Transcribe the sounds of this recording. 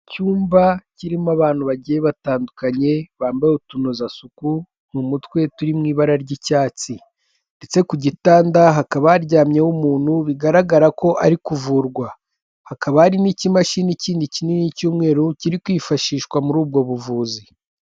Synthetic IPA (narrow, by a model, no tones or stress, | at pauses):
cuːmbaciɾimaβaːn̥huβaɟijeβataːndukaɲe̞βaːmbajotunozasuku | n̥humutwe̞tuɾimŋiːβaɾaɾɟicaːt͡si | nde̞t͡se̞kuɟitaːndaɦakaβaːɾɟaːmɲewumuːn̥huβiɡaɾaɡaɾako̞ʔaɾikuvuːɾɡwa | hakaβahaɾinicimaʃiːniciːndicininicuːmŋe̞ːɾociɾikwiːfaʃiːʃkwamuɾuːbɡo̞βuvuːzi